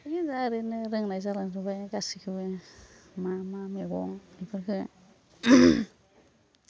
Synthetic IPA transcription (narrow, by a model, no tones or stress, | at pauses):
aɡizaɾɯnɯɾɯŋnajzalaŋzɯbajɡasikʰɯbɯ | mamameɡɔŋnipʰɯɾkʰɯ